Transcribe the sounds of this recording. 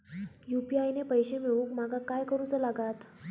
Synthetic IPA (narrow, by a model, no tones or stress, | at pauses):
jupiajnepəjɕemeɭũkm̤aɡʱakajkəɾuːt͡səlaɡat̪